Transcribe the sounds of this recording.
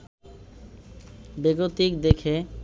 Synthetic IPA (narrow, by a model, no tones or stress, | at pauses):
beɡot̪ikd̪ekʰe